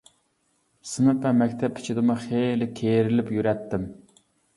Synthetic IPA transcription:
sɨmɨpɛmɛkʲt̪ʰɛpʰːɪ̥t͡ʃʰɪd̪ɨmɨχelɪkʲʰeɾɪlɪpjyɾɛt̪ʰːɪm

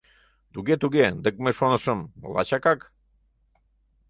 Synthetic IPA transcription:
t̪uɡet̪uɡed̪ək̚meʃonəʃəmlɑ̰t͡ɕakak

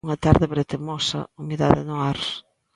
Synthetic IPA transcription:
ŋɐt̪aɾðɪβɾet̪emɔsɐ̰umiða̰ðɪnʊaɾ

